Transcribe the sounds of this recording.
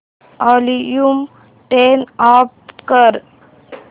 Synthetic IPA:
ɔlijum | ʈenapkəɾ

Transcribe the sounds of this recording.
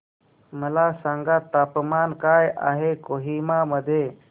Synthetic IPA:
məlasãŋɡat̪aːpmaːnkaːjʔa̰ːɦekoːɦimaməd̪ʱje

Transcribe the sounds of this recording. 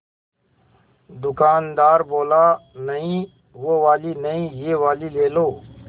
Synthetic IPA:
d̪ʊkaːnd̪aːɾboːlaːnəɦĩː | ʋoʋaːliːnəɦĩːjeːʋaːliːleːloː

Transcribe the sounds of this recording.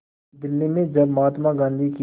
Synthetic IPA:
d̪ɪlːimẽd͡ʒɐbmaːt̪maɡãːnd̪iki

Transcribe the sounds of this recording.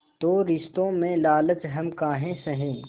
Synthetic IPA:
t̪oːɾɪst̪õmẽlaːlət͡ʃɦɐmkaːɦẽsɐɦẽː

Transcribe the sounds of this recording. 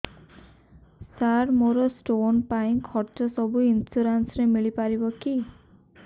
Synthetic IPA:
saɾmoɾɔsʈonpaĩkʰɔɾt͡ʃɔsɔbuinsuɾansɾemiɭipaɾibɔki

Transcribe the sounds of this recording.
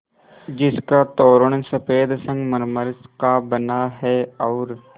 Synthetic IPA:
d͡ʒɪskat̪oːɾəɳ̃sɐpeːd̪sə̃ŋɡməɾməɾskabənaɦɛɔːɾ

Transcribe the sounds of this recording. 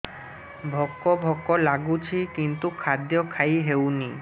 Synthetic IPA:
bʱɔkːobʱɔkːolaɡut͡ɕʰikint̪ukʰad̪jokʰajɦewni

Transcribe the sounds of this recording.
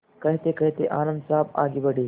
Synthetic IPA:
kɐɦt̪ekɐɦt̪eʔaːnɐmsaːba̰ːɡibɐɽi

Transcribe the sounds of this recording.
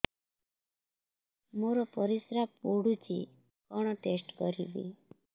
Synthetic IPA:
moɾɔpɔɾisɾapːoɽut͡ʃḭ | kɔɽ̃ɔʈesʈkɔɾibḭ

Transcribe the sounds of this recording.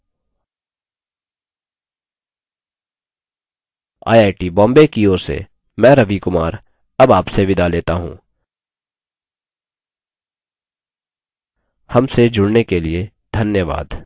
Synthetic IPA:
a̰ːjaːɪʈibɔ̃ːmbekioːɾsḛ | mɛ̃ːɾɐʋikʊmaːɾ | ɐbaːpseʋɪd̪aleːt̪aɦṵ̃ː | hɐmsed͡ʒʊɽnekelie | d̪ʱɐnjəʋa̰ːd̪

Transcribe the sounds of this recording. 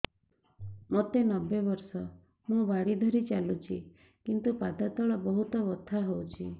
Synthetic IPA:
mɔt̪enɔbebɔɾsɔ | mũbaɽid̪ʱɔɾit͡ʃalut͡ʃʰi | kint̪upad̪at̪ɔɭɔbɔɦut̪ɔbɔt̪ʰaɦowt͡ʃʰi

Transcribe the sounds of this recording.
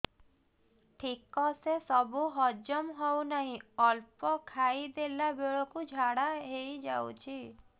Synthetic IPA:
ʈʰikɔsesɔbuɦɔd͡ʒɔmɦɔwnaɦĩɔlpɔkʰaid̪elabeɭɔkud͡ʒʱaɽaɦejd͡ʒa̰wt͡ʃʰi

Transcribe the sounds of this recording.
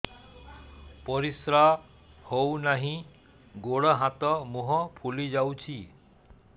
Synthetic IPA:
pɔɾisɾa | hownaɦĩ | ɡoɽɔɦat̪ɔmuɦɔpʰulid͡ʒawt͡ʃʰi

